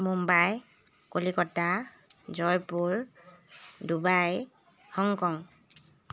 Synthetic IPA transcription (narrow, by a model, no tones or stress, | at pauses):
mumbaj | kolikɔta | zɔjpuɹ | dubaj | hɔŋkɔŋ